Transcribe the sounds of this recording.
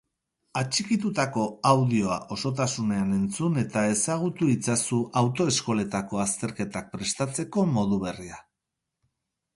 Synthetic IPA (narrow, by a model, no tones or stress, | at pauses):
at͡ʃikit̪ut̪ako̞awð̞io̞a̰ʔo̞so̞t̪asune̞ane̞nt͡sune̞t̪ae̞saɣ̞ut̪uit͡sasuʔawt̪o̞e̞sko̞le̞t̪ako̞ast̪e̞ɾke̞t̪ak̚pɾe̞st̪at͡se̞ko̞mo̞ðuβ̞e̞ria